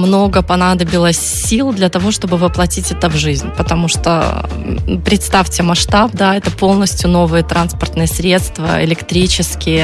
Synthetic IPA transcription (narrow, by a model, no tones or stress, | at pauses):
mno̞ɡəpɐnad̪əbʲɪlˠəsʲsʲilˠd̪lʲɐt̪ɐvo̞ʂt̪o̞bɨvɨplˠɐtʲitʲɛt̪əvʐɨzʲnʲpət̪ɐmuʂt̪o | pɾʲɪt̪st̪afʲtʲɪmɐʂt̪ap̚d̪aɛt̪əpo̞lˠnəsʲtʲjʊno̞vɨjət̪ɾʔanspərt̪nɨjəsɾʲe̞t̪st̪və̰ɪ̰lʲɪkt̪ɾʲit͡ɕɪskʲɪjə